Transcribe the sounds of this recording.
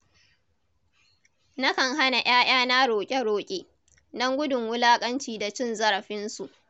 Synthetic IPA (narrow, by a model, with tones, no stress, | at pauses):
na˦kɐ˨ŋɦa˦na˨j̰aː˦j̰aː˦na˦ɽoː˨kʲʼe˦ɽoː˨kʲʼeː˦ | dɔ˦ŋɡʷʊ˦dʊ˨ŋwʊ˦laː˦kʼɐ˦nt͡ʃiː˨da˨t͡ʃɪ˦nzɐ˦ɾɐ˨ɸɪ˦nsu˨ʔ